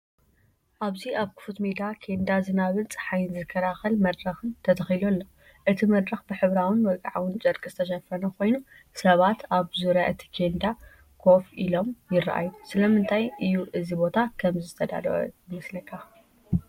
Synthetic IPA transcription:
ʔaβziʔaβkʰɨ̥fut̪med̪akʰe̞nd̪azɨnaβɨnt͡sʼħajɨnzɨkʰːɐɾaxɐlmɐd̪ɾɐxɨnt̪ʰɐt̪ʰɐxilolːo̞ | ʔɨt̪ʰimɐd̪ɾɐxbɨħɨβɾawɨnwɐɡʼaʕawɨnt͡ʃʼɐɾkʼɨst̪ʰɐʃɐfɐnɐkʰo̞jnu | sɐβat̪ʰaβzuɾjaʔɨt̪ʰi̥kʰe̞nd̪a | kʰo̞filo̞mjɪrːɐ̰ʔa̰jusɨlɐmɨnt̪ʰajʔɨjuʔɨzibo̞t̪ʰakʰɐmzɨt̪ʰɐd̪a̰d̪ɐʔo̰jɨmɐslɐkʰːa

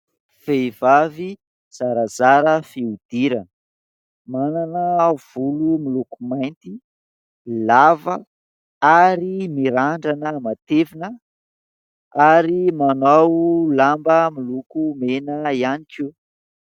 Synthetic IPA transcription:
fejvavi | z̥aɾazaɾəfiud̪̥iɾən | mananəv̥ulumilukumajnt̪i | lavə | aɾimiɾaɳɖ͡ʐanəmat̪evinə | aɾimanawlambəmilukumenəianiki

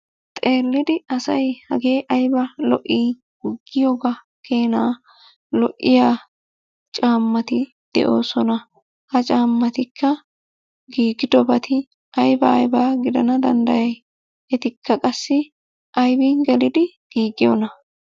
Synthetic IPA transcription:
t̪ʼe̞ːlːɪd̪ɪɐsɐjhɐ̰ɡe̞ːʔɐjbɐlɔ̰ʔiː | ɡɪɡːɪjoːɡa | kʰe̞ːnaː | lɔʔːɪjaː | t͡ʃʼaːmːɐt̪ɪ | d̪̥ɛ̰ʔo̞̰ːsɔnɐ | hɐt͡ʃʼaːmːɐt̪ɪkʰːɐ | ɡiːɡɪd̪ɔbɐt̪ʰɪ | ʔɐjbɐ̰ːjbaːɡɪd̪ɐnɐd̪ɐ̰nd̪ɐjɐj | ɛt̪ɪkːɐkʼɐsːɪ | ʔɐjbɪɡɛlɪd̪ɪ | ɡ̥iːɡɪjɔ̰nɐ

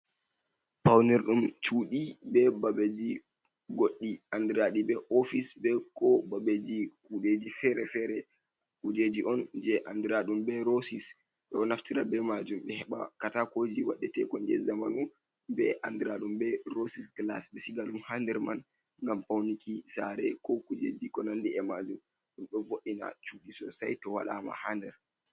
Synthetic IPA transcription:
pawnɛɾɗumt͡ʃuːɗibɛbabed͡ʒi | ɡoɗːiandɾaɗibɛʔofisbɛkɔbabed͡ʒikuɗed͡ʒifɛɾɛfɛɾɛ | kud͡ʒed͡ʒiʔɔnd͡ʒɛʔandɾaɗumbɛɾosis | ɓɛɔnaftiɾabɛmad͡ʒumɓɛhɛɓa̰katakod͡ʒiwa̰ɗːɛtɛkɔnd͡ʒɛ̰zamanum | bɛʔandɾaɗumbɛɾosiskla̰sɓɛsiɡalumhandɛɾman | ŋɡampawnikisaɾɛkɔkud͡ʒḛd͡ʒikɔnandiɛmad͡ʒum | ɗumɗɔvoʔina̰t͡ʃuɗisɔ̰sajtɔwa̰ɗa̰ma̰handɛɾ

